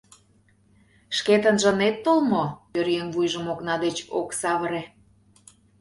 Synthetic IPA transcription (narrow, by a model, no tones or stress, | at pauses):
ʃket̪ənʒə̆net̪ːolmopøɾjenvujʒəmoknɑd̪et͡ɕo̰ksɑβəɾe